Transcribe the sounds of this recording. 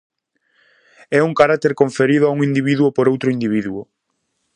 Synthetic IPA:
ɛuŋkaɾak̚t̪eɾkoɱfeɾiðʊauŋĩnd̪iβiðuopoɾowt̪ɾʊind̪iβ̞iðuʊ

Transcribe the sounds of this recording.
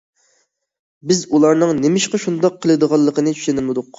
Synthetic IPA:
bɪzulˠɑɾnɨŋnɪmɪʃqɑʃund̪ɑqʰːəlˠɨd̪əʁɑlˠːəqənɨt͡ʃʰy̥ʃenɪlmɨd̪ʊq

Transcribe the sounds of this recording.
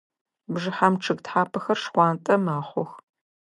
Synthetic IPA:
bʐɨħamʈ͡ʂʰɨɡtħaːpʰɐxɐrʂχʷɑːntʼɐmaːχʷʊx

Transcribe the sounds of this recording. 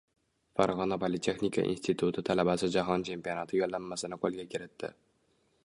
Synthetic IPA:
faɾʁɒnapʰolɪt̪ʰe̞xnikʰa̰ʔḭnst̪ʰit̪ʰʊt̪ʰɪt̪ʰalabasɪd͡ʒaɦɒnt͡ʃʰe̞mpijɒnat̪ʰɪjolːamːasɪnɪqʰolˠɡʲakʰʲɪɾɪt̪ʰːɪ̰

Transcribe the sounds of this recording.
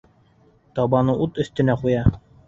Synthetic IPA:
t̪ɑbɑnɤʔut̪ɵ̆θt̪ɘ̆næqujɑ

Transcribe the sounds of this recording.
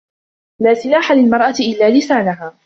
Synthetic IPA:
laːsɪlaːħalɪlmɑɾˤʔɑtɪʔɪlːaːlɪsaːnaɦaː

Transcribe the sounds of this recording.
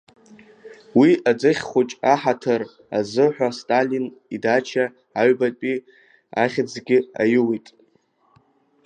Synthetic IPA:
wiad͡zɨχʲχʷʊt͡ʃʼaħatʰɨr | a̰zɨħʷᶣastʼalinidat͡ʃʰaː | ɥbatpʼi | aχʲd͡zɡʲɪa̰jɪwitʼ

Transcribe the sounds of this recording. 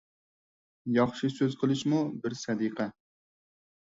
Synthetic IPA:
jɑχʃisøzqʰəlˠɪʃmubɪɾsɛd̪iqʰɛ

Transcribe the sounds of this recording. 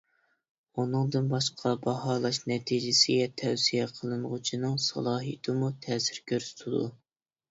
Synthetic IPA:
unɨŋd̪ɨnbɑʃqʰɑbɑhɑːlˠɑʃnɛt̪ʰid͡ʒɪsɪɡʲɛt̪ʰɛwsijɛqʰəlˠɨnʁʊt͡ʃʰinɨŋsɑ̰lˠɑːɦḭt̪ʰɨmut̪ʰɛːsɪɾkʲʰøɾz̥t̪ʰud̪ṵ

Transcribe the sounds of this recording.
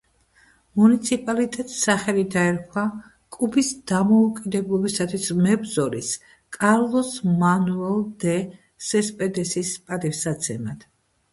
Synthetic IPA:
munit̪sʰipʼalit̪ʼɛt̪ʼsaχɛlid̪aɛɾkʰwa | kʼubisd̪̥amɔukʼid̪ɛblˠɔbisat̪ʰwismɛbzɔɾis | kʼaɾlˠɔsmanuɛlˠd̪ɛ | sɛspʼɛd̪ɛsispʼat̪ʼifsat̪sʰɛmad̪̥

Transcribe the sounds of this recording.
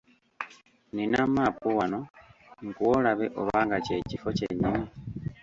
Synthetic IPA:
ninamapuwanoŋɡuwolaβeʔo̰βaːŋɡace̞cifo̞cḛɲimi

